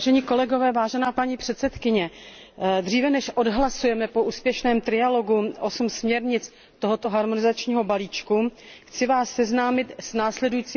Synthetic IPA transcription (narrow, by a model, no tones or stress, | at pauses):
ʒɛɲiːko̞lɛɡo̞vɛːvaːʒɛnaːpaɲiːpr̝̥ɛt̪sɛt̪kɪɲɛ | d̪r̝iːvɛnɛʃʔodɦlasujɛmɛpoʔuːspjɛʃnɛːmt̪ɾɪalo̞ɡuʔosumsmɲɛɾɲɪt͡s | t̪oɦo̞t̪o̞ɦaɾmonɪzat͡ʃɲiːɦo̞baliːt͡ʃkuxt͡sɪvaːsːɛznaːmɪt̪snaːslɛdujiːt͡siː